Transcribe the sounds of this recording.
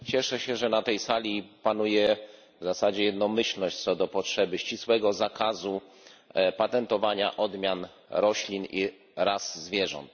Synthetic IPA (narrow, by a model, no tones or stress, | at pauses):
t͡ɕɛʂɛɕɛʐɛnat̪ɛjsalʲipanujɛ | vzasad͡ʑɛjɛd̪nɔmɘɕlnɔɕt͡ɕt̪sɔd̪ɔpɔtʂɛbɘɕt͡ɕiswɛɡɔzakʰazu | pat̪ɛnt̪ɔvaɲa̰ʔɔd̪mʲjan | ɾɔɕlʲini | ɾaszːvʲjɛʐɔ̰nt̪̚